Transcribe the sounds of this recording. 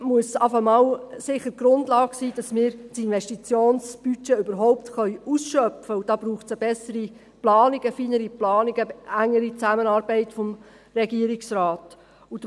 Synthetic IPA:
muəsɑfəmɑwsɪχətɡ̥ɾʊndlɑːɡ̥siːd̥ɑsmɪːɾsinʋɛʃtit͡sjoːnsb̥yt͡ʃɛøbəɾɦɔʊptχœʏusʃœfəud̥ɑːb̥ɾuːχt͡səb̥ɛsəɾi | plɑːniɡ̥əfiːnəɾiplɑːniɡ̥əæŋːəɾit͡sæmənɑːɾbɛɪtfɔm | ɾɛɡiəɾɪksraːt | ud

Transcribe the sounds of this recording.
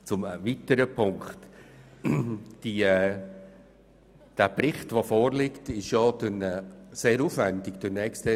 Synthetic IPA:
t͡sʊmvitəɾəpʰʊŋkχt | d̥i | d̥æprɪχtʋofoːrlɪktɪʃjod̪ənɛseːɾuːfvændɪkd̥ɪnɛːkstə

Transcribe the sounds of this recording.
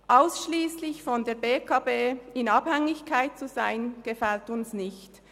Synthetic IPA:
ʔaʊsʃliːslɪçfɔndeːɐbeːkʰaːbeːɪnɑb̥hɛŋɪçkʰaɪt̚t͡suzaɪnɡ̥əfɛltʊnsnɪçt

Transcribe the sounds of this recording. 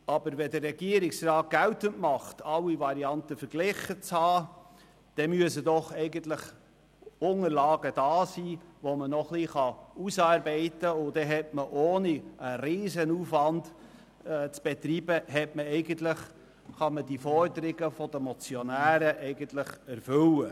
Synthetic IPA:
ɑbəɾʋɛdərːɛɡiəɾɪksrɑːt̚ɡ̥æwtəntmɑχtɑwivɑɾiɑntəfəɾɡ̥lɪχət͡shɑː | d̥ɛmyəsədɔχɛɪɡəntlɪχ | ʊŋəɾlɑːɡəd̥ɑːsiːʋomənɔχliχɑusɑːɾbɛɪtəʊd̥ɛɦɛtməʔoːniʔəɾiːzənuːfʋɑnd | t͡sb̥ɛt̪riːbəɦɛtməɛɪɡən̩tlɪχ | χɑməd̥ifɔɾdəɾɪɡəfɔdəmɔt͡sjɔnæːɾəʔɛɪɡəntlɪχæɾfʏlə

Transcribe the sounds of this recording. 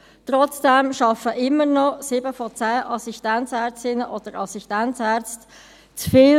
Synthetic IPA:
t̪rɔt͡sd̥ɛmʃɑfəʔɪmənɔsɪbəfɔt͡sæːʔɑsiʃtænt͡sæːɾt͡stɪnəʔod̥əɾɑsiʃtæntt͡sæːɾt͡st | t͡sfɪ

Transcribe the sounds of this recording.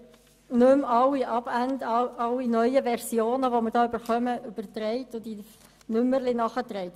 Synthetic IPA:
nʉmɑlːiʔɑb̥ændɑɑlːinœjəvɛɾsjoːnəʋomɪɾd̥ɑːʏb̥əɾχœməʔʏb̥əɾt̪ɾɛɪt̪ʊd̪i | nʏmːəɾlɪnɑχət̪ɾɛɪt

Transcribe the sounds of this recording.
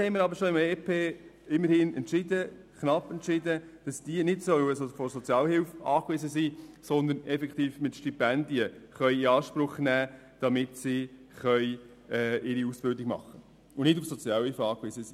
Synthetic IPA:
hɛɪməɾɑbəɾʃoɪmeːpʰeː | ɪmːəɾhɪnɛntt͡ʃɪdəkχnɑpːɛntʃɪdəd̥ɑsd̥iːnɪtsœwəsɔfɔɾsɔt͡sjɑːlhɪlfɑːkʋɪzəsiːsɔnd̪ənɛfɛkχt̪iːfmɪtʃtipænd̪iəχœɥiɑːʃpɾʊχnæː | d̥ɑmɪtsi | χœʏ | ɛːɪɾiusb̥ɪldɪɡmɑ̰χːə | ʊnɪdʊfsɔt͡sjɑːlhɪlfɑːkʋɪzəsiː

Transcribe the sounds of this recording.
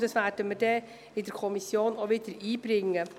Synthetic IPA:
d̥ɑsʋærd̥əmɪɾd̥ɛː | ɪdəɾkʰɔmisjoːnoʋɪdəɾiːb̥ɾɪŋːə

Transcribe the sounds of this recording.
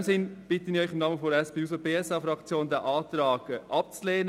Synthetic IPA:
msɪnb̥ɪt̪əniœʏχɪmnɑːməfoɾɛspeːusobeːɛsɑfɾɑkt͡sjoːnd̪æʔɑːt̪ɾɑːɡ̥əʔɑp̚t͡sleːnə

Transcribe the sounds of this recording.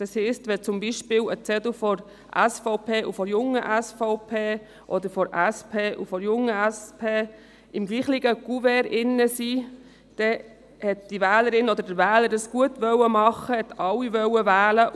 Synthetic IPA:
d̥ɑshɛstʋɛt͡sʊmbiʃpɪːwət͡sɛdʊfɔɾ | ʔæ̰sfɔʊpʰeːʔufɔɾjʊŋəʔæsfɔʊpʰeː | ʔɔd̪əɾfɔɾæspʰeːʔufɔɾjʊŋːəæspʰeː | ɪmɡliːχlɪɡ̥əɡ̥uvɛɾɪnːəsiː | d̥ɛ | hɛt̚d̥iʋæːləɾɪnɔd̪əɾdəɾʋæːləɾdɑsɡ̥uətʋœwəmɑχːəhɛt̪ɑlːiʋœwəʋæːlə

